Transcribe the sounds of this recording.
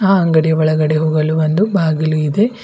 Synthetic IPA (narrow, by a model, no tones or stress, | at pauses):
aːɐŋɡɐɽijɐʋɐɭɐɡɐɽeɦoːɡɐluʋɐnd̪ubʱaːɡɐluid̪e̞